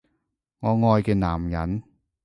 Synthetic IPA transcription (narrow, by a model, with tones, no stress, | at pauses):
ŋɔː˨˧ŋɔː˧jkɛː˧naː˨˩mjɐ̰˨˥n